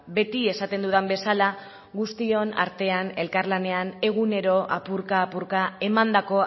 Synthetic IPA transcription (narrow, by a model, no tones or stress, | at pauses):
be̞t̪ie̞sat̪e̞nd̪uðambe̞sala | ɣust̪io̞na̰ɾt̪e̞ane̞lkaɾlane̞ane̞ɣ̞une̞ɾo̞ʔa̰puɾkaːpuɾkae̞mand̪ako̞